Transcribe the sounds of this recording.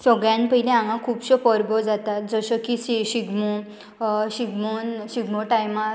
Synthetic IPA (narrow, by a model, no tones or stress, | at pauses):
sɔɡɭjãnpəɦilẽãŋãkʰuːpɕəpəɾbɔd͡zat̪at̪̚d͡zəɕəkisiɕiɡmɔ | ɕiɡmonɕiɡmɔʈajma